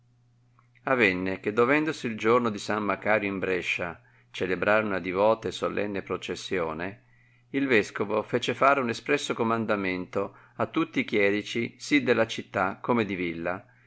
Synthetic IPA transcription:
avɛnːek̟ed̪ːovɛnd̪osiːld͡ʒornod̪isamːakaːɾjoimbɾɛʃːa | t͡ʃelebɾaːɾeunad̪ivɔːt̪esolɛ̰nːepɾot͡ʃesːjoːne | ilvɛskovofeːt͡ʃefaːɾeunespɾɛsːokomand̪ament̪o | at̪ːut̪ːiːk̟jɛːɾit͡ʃisid̪elːat͡ʃit̪ːakomed̪ivilːa

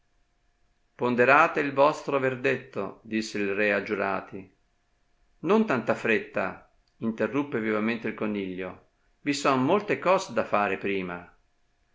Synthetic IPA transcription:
pond̪eɾaːt̪eilvɔst̪ɾoverd̪et̪ːo̰d̪isːeilrɛad͡ʒuɾa̰ːt̪i | nont̪ant̪afɾet̪ːa̰ | int̪erːupːevivament̪eilkoniʎːo̰ | visɔnmolt̪ekɔːzed̪afaːɾepɾiːma

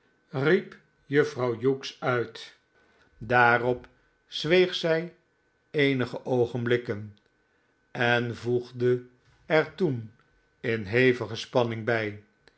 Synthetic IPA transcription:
rip | jɵfrɑwjuksœɥt | daːrɔp | z̥ʋejχsɛj | ejnəχəʔowχənblɪkən | ɛnvuχdə | ɛɹtun | ɪnɦejvəχəspɑnɪŋbɛj

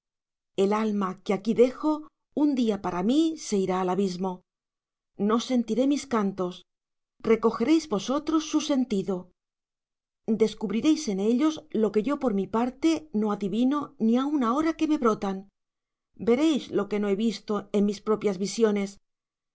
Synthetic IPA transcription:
e̞lalmakeakiðe̞xo̞ | und̪iapaɾamise̞iɾaːlaβizmo̞ | no̞se̞nt̪iɾe̞miskant̪o̞s | re̞ko̞xe̞ɾe̞jzβo̞so̞t̪ɾo̞sːuse̞nt̪iðo̞ | d̪e̞skuβɾiɾe̞jse̞ne̞ʎo̞zlo̞ke̞ʝo̞po̞ɾmipaɾt̪e̞no̞aðiβino̞niaunao̞ɾake̞meβɾo̞t̪an | be̞ɾe̞jzlo̞ke̞no̞e̞βist̪o̞e̞nmispɾo̞pjazβisjo̞ne̞s

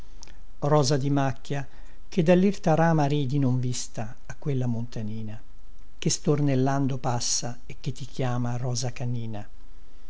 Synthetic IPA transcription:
rɔːzad̪imakːja | k̟ed̪alːirt̪aɾaːmaɾiːd̪inoɱvist̪aːkːwelːamont̪aniːna | kest̪ornelːand̪opasːa | ekːet̪ːikjaːmarɔːzakaniːna

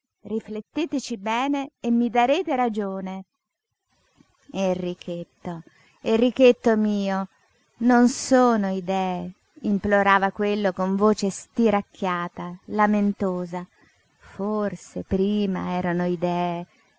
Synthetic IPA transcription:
riflet̪ːeːt̪et͡ʃibɛːneːmːid̪aɾeːt̪eɾad͡ʒoːne | erːikʰet̪ːo | erːik̟et̪ːomiːo | nonsoːnoid̪ɛːe | imploɾaːvakwelːokoɱvoːt͡ʃest̪iɾakːjaːt̪alament̪oːza | forsepɾiːma̰ɛːɾanoid̪ɛːe

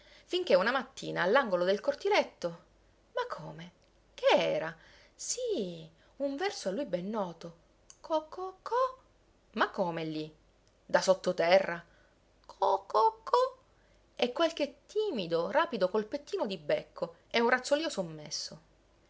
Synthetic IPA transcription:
fiŋk̟eunamat̪ːḭːnaːlːaŋɡolod̪elkort̪ilet̪ːo | makʰːoːme | k̟eɛːɾa | si | uɱvɛrsoalːujbɛnːɔːt̪o | kʰokːokʰːo | makːomelːi | d̪asot̪ːot̪ɛrːa | kʰokokʰo | ɛkːwalk̟et̪ːiːmid̪oraːpid̪okolpet̪ːiːnod̪ibekʰːo | ɛunrat̪sːoliːosomːesːo

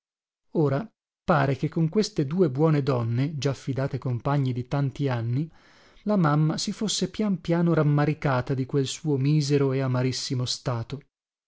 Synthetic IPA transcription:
oːɾa | paːɾekekːoŋkwest̪ed̪uːebwɔːned̪ɔnːed͡ʒafːid̪aːt̪ekompaɲːid̪it̪ant̪ianːi | lamamːasifosːepjampjaːnoɾamːaɾikaːt̪ad̪ikwelsuːomiːzeɾoeamaɾisːimost̪aːt̪o

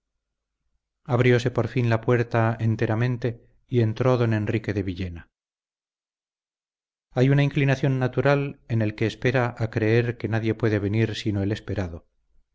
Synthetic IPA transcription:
aβɾjo̞se̞po̞ɾfinlapwe̞ɾt̪ae̞nt̪e̞ɾamẽ̞nt̪e̞ | ie̞nt̪ɾo̞ðo̞ne̞nrike̞ðe̞βiʎe̞na | ajunaiŋklinaθjo̞nːat̪uɾale̞ne̞lke̞ːspe̞ɾaʔakɾe̞e̞ɾke̞naðje̞pwe̞ðe̞βe̞niɾsino̞e̞le̞spe̞ɾaðo

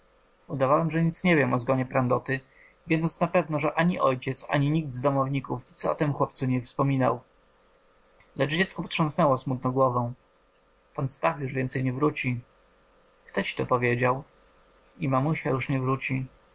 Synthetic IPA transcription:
ud̪avawɛmʐɛɲit̪sɲɛvʲjɛmʔɔzɡɔɲɛpɾand̪ɔt̪ɘ | vʲjɛd̪ɔnsnapɛvnɔʐɛʔaɲiʔɔjt͡ɕɛt̪sa̰ɲiɲiɡ̚d̪zd̪ɔmɔvɲikufit̪sɔ̰t̪ɛmxwɔpt̪suɲɛfspɔmʲina̰w | lɛt͡ʂd͡ʑɛt̪skɔpɔt̪ʂɔ̃w̃snɛwɔsmut̪nɔ̃ɡwɔvɛ̃ | panfst̪axjuʐvʲjɛnt̪sɛjɲɛvɾut͡ɕi | kt̪ɔt͡ɕi̥t̪ɔpɔvʲjed͡ʑaw | imamuɕajuʂɲɛvɾut͡ɕi

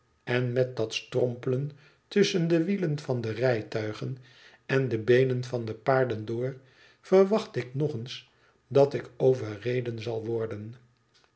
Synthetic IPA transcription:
ɛnmɛt̚dɑtstrɔmpələn | tʏsəndəʋilənvɑndərɛjtœɥχən | ɛndəbejnənvɑndəpaːɹdəndʊːɹ | fərʋɑχtɪknɔχəns | dɑtɪkowvərejdənzɑlˠʋɔɹdən

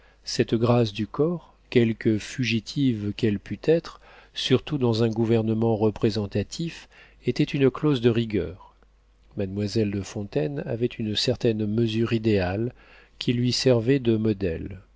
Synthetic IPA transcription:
sɛt̪ɡʁasd̪ykɔʁ | kʲɛlkəfyʒit̪ʰivkʲɛlpʰyt̪ɛt̪χ | syʁt̪ud̪ɑ̃zɛ̃ɡuvɛʁnəmɑ̃ʁəpχezɑ̃t̪at̪ʰif | et̪ɛt̪ynklozd̪əʁiɡʲœ̰ːʁ | mad̪mwazɛld̪əfɔ̃t̪ɛna̰vɛt̪ʰynsɛʁt̪ɛnməzyʁid̪eal | kʲilɥisɛʁvɛd̪əmɔd̪ɛl

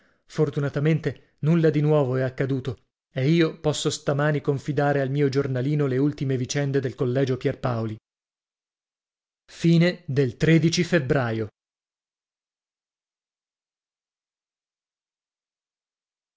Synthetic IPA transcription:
fort̪unat̪ament̪e | nulːad̪inwɔːvoɛakːad̪uːt̪o | eiːopɔsːost̪amaːnikoɱfid̪aːɾealmiːod͡ʒornaliːnoleult̪imevit͡ʃɛnd̪ed̪elkolːɛːd͡ʒopjɛrpaoli | fiːned̪elt̪ɾeːd̪it͡ʃifebɾaːjo

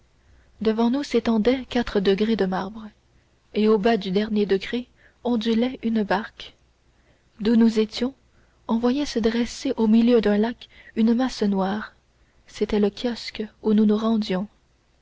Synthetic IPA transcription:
d̪əvɑ̃nuset̪ɑ̃d̪ɛkat̪χəd̪əɡʁed̪əmaʁbʁ | eobad̪yd̪ɛʁnjed̪əɡʁe | ɔ̃d̪ylɛynbaʁk | d̪unuzet̪jɔ̃ | ɔ̃vwajɛsəd̪ʁɛseʔomiljød̪ɛ̃lakynəmasnwaːʁ | set̪ɛləkʲʰjɔskununuʁɑ̃d̪jɔ̃

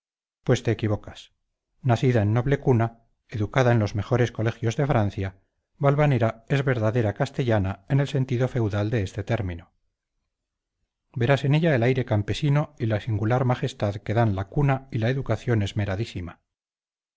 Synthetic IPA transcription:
pwe̞st̪e̞ːkiβo̞kas | naθiðaenːo̞βle̞kuna | e̞ðukaðaenlo̞zme̞χo̞ɾe̞sko̞le̞xjo̞zðe̞fɾan̟θja | βalβaneɾae̞zβe̞ɾðaðe̞ɾakast̪e̞ʎanae̞ne̞lse̞nt̪iðo̞fe̞wðald̪e̞est̪e̞t̪e̞ɾmĩno | be̞ɾase̞ne̞ʎae̞lajɾe̞kampe̞sino̞ilasiŋɡulaɾmaχe̞st̪aðke̞ðanlakunailaeðukaθjo̞ne̞zme̞ɾaðisima

